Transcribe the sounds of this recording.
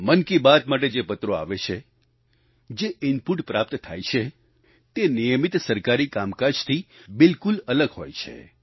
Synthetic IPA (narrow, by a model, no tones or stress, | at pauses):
mənkibat̪maʈ̬ed͡ʒepət̪ɾoa̰ʋet͡ʃʰe | d͡ʒeɪnpuʈpɾap̚t̪t̪ʰa̰jt͡ʃʰe | t̪enijəmit̪səɾkaɾikamkad͡ʒt̪ʰibɪlkulələɡɦo̰jt͡ʃʰḛ